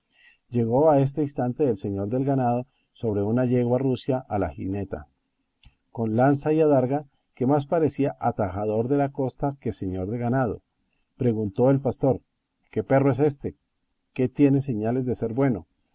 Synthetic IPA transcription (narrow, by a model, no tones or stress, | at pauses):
d͡ʒe̞ɣo̞ae̞s̬t̪eist̪ant̪e̞ðelse̞ɲo̞ɾðe̞lɡanað̞o̞ | so̞βɾe̞unaʝe̞ɣwarusjaʔalaxḭne̞t̪a̰ | ko̞nlansaiaðaɾɣa | ke̞mas̬paɾe̞siaʔʔat̪axaðo̞ɾðe̞lako̞st̪ake̞se̞ɲo̞ɾðe̞ɣanað̞o̞̰ | pɾe̞ɣunt̪o̞e̞lpast̪o̞ɾ | ke̞pe̞roes̬e̞st̪e̞ | ke̞t̪je̞ne̞se̞ɲale̞zd̪ese̞ɾbwe̞no